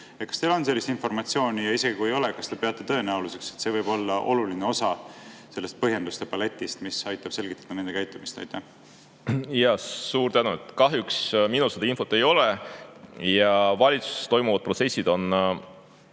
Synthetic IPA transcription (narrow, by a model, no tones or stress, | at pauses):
ekɑ̥st̪elo̞ns̬elːist̪info̞rmɑt̪sio̞ːnʲijɑise̞ɡikue̞jo̞lekɑst̪epe̞ɑt̪ːˑet̪ø̞ːnæuluse̞kset̪se̞ːvɤjbo̞lːɑʔo̞̰lulineo̞sɑse̞lːest̪̚pɤɦje̞nd̪ust̪epɑle̞t̪ʲˑːist̪misɑjt̪ːˑɑb̥se̞lɡit̪ːˑɑd̥̪ɑne̞nd̪e̞kæjt̪ːˑumist̪ɑ̰jt̪ːæh | jɑsuːɾt̪ænuet̪ːˑkɑɦjuksminused̪ɑinfo̞t̪ːˑe̞jo̞le | jɑvɑlʲit̪suse̥sst̪o̞jmuvɑd̪̚pro̞t̪se̞sʲːid̪̥o̞n